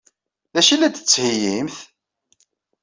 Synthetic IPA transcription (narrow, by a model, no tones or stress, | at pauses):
ðæʃilæd̪t͡sːhijimθ